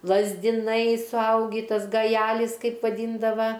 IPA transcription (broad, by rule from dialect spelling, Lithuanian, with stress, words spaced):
lˠɐzʲdʲɪˈnɐɪ sʊˈɐʊɡʲiː ˈtɐs ɡɐˈjæːlʲɪs ˈkɐɪp ʋɐˈdʲiːndɐʋɐ